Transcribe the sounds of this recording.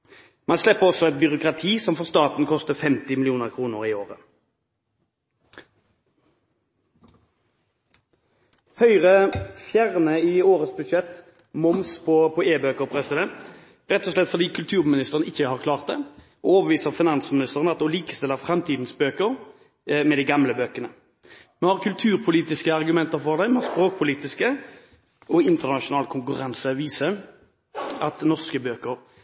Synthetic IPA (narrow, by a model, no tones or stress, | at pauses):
mɑnslɛpːəʁɔsɔɛt̪̚bʏʁʊkʁɑt̪ʰiːsɔmfɔʁst̪ɑːt̪n̩kʰɔst̪əfɛmt̪ɪmɪlɪuːnəʁkʰʁuːnəʁiːoːʁə | hœʏʁəfjæʁnəiːoːʁət̪sbʉʃɛt̪ | mɔmspʰɔpʰɔeːbøːkəʁpʰʁɛsɪd̪ɛnt̪ | ɾɛt̪ːɔslɛt̪fɔʁd̪iːkʰʉlt̪ʰʉːʁmɪnɪst̪əʁənɪçːəhɑʁkʰlɑːʁt̪̚d̪ɛ | ɔoːbəʋiːsəʁfɪnɑnsmɪnɪst̪əʁənəɑt̪d̪ɔliːkə̥st̪ɪlːəʁfʁɛmt̪ʰiːd̪n̩sbøːkəɾ | mɛd̪ɛɪɡɑmləbøːkənə | mɔhɑʁkʰʉlt̪ʰʉːʁpʰʊliːt̪ɪskəɑʁɡʉmɛnt̪əɾfɔʁd̪æɪmɛspʁoːk̚pʰʊliːt̪ɪskə | ɔɪnt̪əʁnɑʂʊnɑːlkʰʊŋkʉʁɑnsəʋiːsəɾ | ʔɑt̪nɔʁskəbøːkəʁ